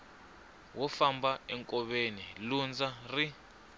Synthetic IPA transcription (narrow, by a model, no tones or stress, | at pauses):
wɔfambaɛŋkʼɔɓenilund͡zʱari